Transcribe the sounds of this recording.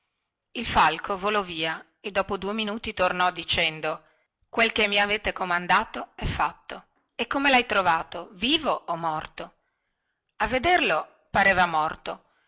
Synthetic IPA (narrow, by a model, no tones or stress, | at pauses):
ilfalkʰovolɔviːa | ed̪ːɔːpod̪uːeminuːt̪it̪ornɔd̪it͡ʃɛnd̪o | kwelkemːiaveːt̪ekomand̪aːt̪oɛfːat̪ːo | ekːomelajt̪ɾovaːt̪oviːvoːmːɔrt̪o | avːed̪erlo | paɾeːvamɔrt̪o